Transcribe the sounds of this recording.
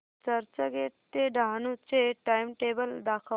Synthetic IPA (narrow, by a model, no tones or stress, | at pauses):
t͡ɕəɾt͡ɕəɡeʈt̪eɖʱanut͡seʈaimʈebəld̪akʰə